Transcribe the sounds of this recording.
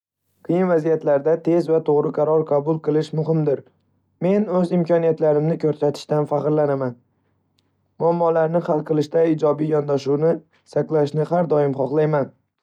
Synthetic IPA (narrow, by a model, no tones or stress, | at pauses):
qʰɨjɪnvazijat̪laɾd̪at̪ʰe̞zvat̪ʰoʁɾɨqʰɑɾɒɾqʰɑbʊlˠqʰɨlˠɪʃmʊɦɪmd̪ɪɾ | me̞nɵzɪmkʲʰɒnijat̪laɾɪmnɪkʲʰɵɾsat̪ʰɪ̥ʃt̪anfaqɾlanaman | mʊamːɒlaɾnɪχalˠqʰɨlˠɪʃt̪aɪd͡ʒɒbijɒnd̪aʃuwnɪ | saklˠaʃnɪχaɾd̪ɒɪmχɒqlˠajman